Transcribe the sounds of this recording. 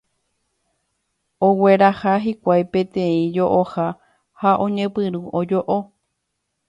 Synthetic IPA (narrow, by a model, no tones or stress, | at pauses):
oweɾahaɦikʷajpẽ̞t̪ẽĩd͡ʒoʔoha | haʔõɲẽ̞pɨɾuʔod͡ʒoʔo